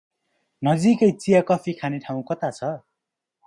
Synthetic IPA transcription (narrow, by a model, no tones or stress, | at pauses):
nʌd͡zikʌjt͡sijakʌpʰikʰaneʈʰaw̃kʌt̪at͡sʰʌ